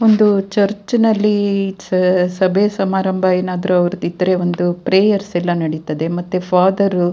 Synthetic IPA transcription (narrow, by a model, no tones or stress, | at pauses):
o̞nd̪ut͡ʃɐɾt͡ʃnɐlːi | sɐbʱesɐmaːɾɐmbʱɐeːnaːd̪ɐɾuɐʋɐɾut̪id̪ːɐɾe̞o̞nd̪upɾeːjɐɾsɛlːɐnɐɽit̪ɐd̪e̞mɐt̪ːefʰaːd̪ɐɾu